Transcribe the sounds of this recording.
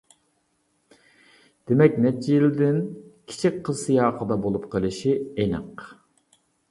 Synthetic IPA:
d̪̥emɛkʲnɛt͡ʃʰːijild̪ɪnkʲʰi̥t͡ʃʰik̚ʲqʰəsɨjɑːqəd̪ɑbolˠupqʰəlˠɨʃienɨ̰q

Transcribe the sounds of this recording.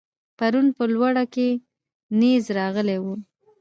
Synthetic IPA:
paɾunpəlwaɽake | nezɾɑɣəlewu

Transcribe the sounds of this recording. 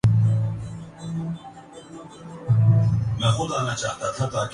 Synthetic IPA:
mɛ̃ːxʊd̪aːnɐt͡ʃaːɦt̪at̪ʰãt̪aːk

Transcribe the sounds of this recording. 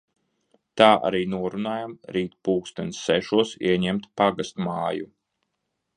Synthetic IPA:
t̪aːʔa̰ɾiːnuɔɾunaːjamɾiːt̪puːkst̪ɛnsːɛʃuɔsḭɛɲɛmt̪paɡast̪maːjṵ

